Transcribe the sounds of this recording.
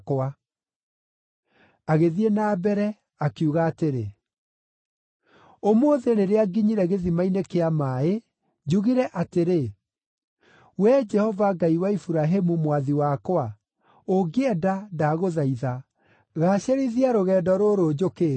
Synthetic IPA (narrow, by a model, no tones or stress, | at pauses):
kwa | aɣeðienaːbɛɾɛ | akiuɣaːteɾe | omoːðeɾeɾeaɡiɲiɾɛɣeðimainekeamaːe | d͡ʑuɣiɾɛʔateɾe | wɛd͡ʒɛhɔvaɡaiwaifuɾaɦemumwaðiwakoa | oɡeɛdadaɣoðaiða | ɣaɕeɾiðiaɾoɣɛdɔɾoɾod͡ʑokeː